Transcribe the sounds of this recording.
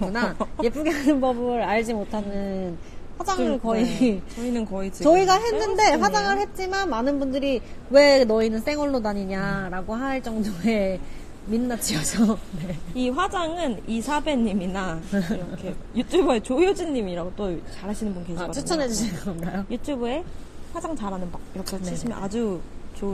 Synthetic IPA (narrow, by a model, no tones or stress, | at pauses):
kunaje̞p͈ʰuɡeɦanɯnbʌbɯɾaɭd͡ʑimotʰanɯn | ɸwad͡ʑaŋɯɭkʌit͡ɕʌinɯnkʌit͡ɕt͡ɕʌiɡaɦenːɯnde̞ɸwad͡ʑaŋɯɭhe̞t̚t͡ɕ͈imanmanɯnbundɯɾiwe̞nʌinɯns͈e̞ŋwʌɭːodaɲiɲaɾaɡoɦaɭt͡ɕʌŋdoe̞ | minːat͡ɕʰiʌd͡ʑʰʌne̞iɸwad͡ʑaŋɯnisʰabe̞ɲːiminaɾʌkʰejutʰubuet͡ɕojod͡ʑinːimiɾaɡot͈ot͡ɕaɾɦaɕʰinɯnbunkeɕʰiat͡ɕʰut͡ɕʰʌnɦed͡ʑuɕʰiɡaonkajojutʰube̞ | ɸwad͡ʑaŋt͡ɕaɾɦanɯnbak̚iɾʌkʰeneɕʰimjʌnad͡ʑut͡ɕo